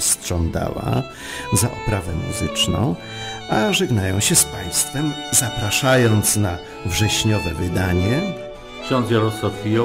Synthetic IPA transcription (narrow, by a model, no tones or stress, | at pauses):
stʂɔnd̪a̰wa̰ | zaʔɔpɾavɛmṵzɘt͡ʂnɔ̰̃w̃ | aʐɛɡnajɔ̃w̃ɕɛspaj̃st̪fɛmzapɾaʂajɔnt̪sna | vʐɛɕɲɔvɛvɘd̪aɲɛ | kɕɔ̃nsʲjaɾɔswafʲijɔ